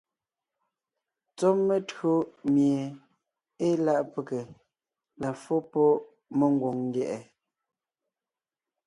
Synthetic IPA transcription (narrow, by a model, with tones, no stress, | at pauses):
t͡sɔ˦mːe˦˨tɰo˦mje˨ | e˦la˦ʔpe˨ke˨ | la˨fo˦pɔ˦ | mə˦ŋ˦ɡwo˨ŋŋ˦ɡjɛ˦˨ʔɛ˨